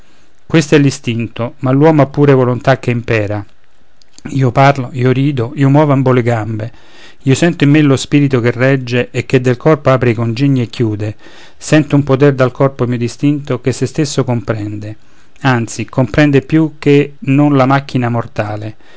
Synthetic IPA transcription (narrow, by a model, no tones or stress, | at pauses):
kwest̪ɛlːist̪int̪omalːwɔːmoapːuːɾevolont̪ak̟ːeimpɛːɾa | iːoparloiːoɾiːd̪oiːomɔːvoamboleɡambe | iːosɛnt̪oimːelospiːɾit̪okerɛd͡ʒːeʔːk̟ːed̪ːelkʰɔrpoaːpɾeikond͡ʒiɲːiekːjuːd̪e | sɛnt̪oumpot̪ɛrd̪alkʰɔrpomiod̪ist̪int̪okesːest̪esːokompɾɛnd̪e | ant̪sikompɾɛnd̪epjuk̟ːenːonlamak̟ːinamort̪aːle